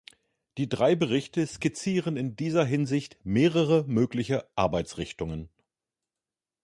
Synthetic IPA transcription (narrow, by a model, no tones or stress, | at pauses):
d̥iːdʁaɪbəʁɪçtəskɪt͡siːʁənɪndiːzɐɦɪnzɪçtmeːʁəʁəmøːklɪçəʔaɐbaɪt͡sʁɪçtʊŋən